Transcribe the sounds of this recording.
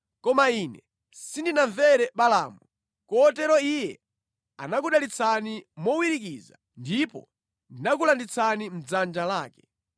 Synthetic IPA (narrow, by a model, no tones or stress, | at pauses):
kɔmaiːnɛ | sindinaɱvɛɾɛɓala̰ːmu | kɔːtɛɾɔijɛ̰ | a̰nak̬uɗalit͡sʰanimɔwiɾik̬iza̰ | ndipɔ̰ | ndinak̬ulandit͡sʰanim̩d͡zand͡ʒalaːkɛ̥